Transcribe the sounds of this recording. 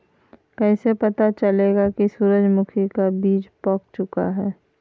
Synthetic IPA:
kɛːsepɐt̪at͡ʃɐleːɡakisuːɾəd͡ʒmʊkʰikabiːd͡ʒpɔːk̚t͡ʃʊkaɦɛː

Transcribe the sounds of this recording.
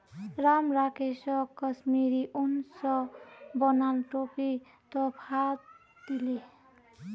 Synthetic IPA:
ɾamɾakesɔkʌsmiɾiʔunsɔbɔnalʈopi | t̪ɔpʰat̪ | d̪ili

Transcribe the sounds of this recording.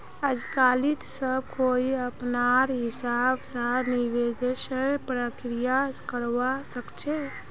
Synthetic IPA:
əd͡ʒkalit̪səb̚kʰoiəpnaɾɦɪsabsəniwed̪esəɾpɾəkɾijakəɾʋasəkt͡ʃʰɛ

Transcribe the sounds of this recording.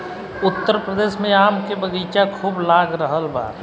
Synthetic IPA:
ʊt̪ːəɾpɾəd̪eːʃmẽaːmkebəɡiːt͡ʃakʰuːblaːɡɾəɦəlba̰ːɾ

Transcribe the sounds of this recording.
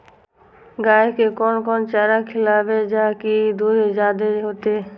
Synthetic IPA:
ɡaekekɔnkɔnt͡ʃaɾakʰelabed͡ʑakid̪uɾed͡ʒad̪eɦot̪e

